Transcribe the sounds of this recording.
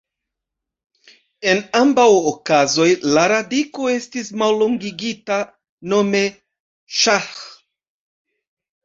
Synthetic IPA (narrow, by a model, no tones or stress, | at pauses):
e̞nambawokazo̞jlaɾadiko̞e̞stismalːoŋɡiɡita | no̞me̞ | ʃax